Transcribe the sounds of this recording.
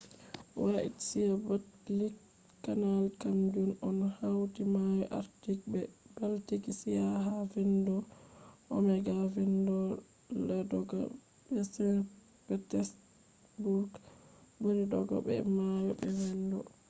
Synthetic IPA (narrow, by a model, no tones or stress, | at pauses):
waʔḭtsijabatlik | kːanalkamd͡ʒunɔnhawtimajɔʔa̰ɾtik̚bɛb̥altikisijaɦavindɔʔɔmɛɡavindɔ | ladɔɡɔ̰ | bɛsɛn | b̥ɛtɛs | buɾɡbonidɔ̰ɡɔ̰bɛ̰majɔbɛwɛndɔ